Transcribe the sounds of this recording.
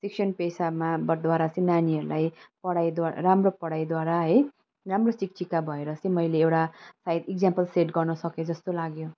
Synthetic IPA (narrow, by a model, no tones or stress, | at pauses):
siksʌnpesamabʌd̪waɾat͡sʌj̃naniɦʌɾulajpʌɽajd̪wa̰ɾamropʌɽajd̪waɾaɦʌj | ramrosik̚ʈikabʱʌeɾʌt͡sʌ̃j̃mʌjleːwʈasajd̪iɡ̚d͡zampʌlseʈɡʌrnʌsʌked͡zʌst̪olaɡjo